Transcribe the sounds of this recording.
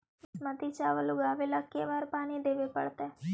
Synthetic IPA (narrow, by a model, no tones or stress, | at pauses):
smət̪iːt͡ʃaːʋəlʊɡaːʋeləkːeːʋaːɾpaːniːd̪eːʋeːpə̰ɽt̪ɛː